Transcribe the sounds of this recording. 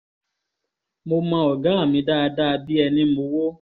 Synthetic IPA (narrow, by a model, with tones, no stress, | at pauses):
mo˧mã˧ɔ˨ɡa˨˦a˦˨mĩ˧˦da˦a˧da˦a˧bi˦ɛ˧nĩ˦mo˧˦wo˦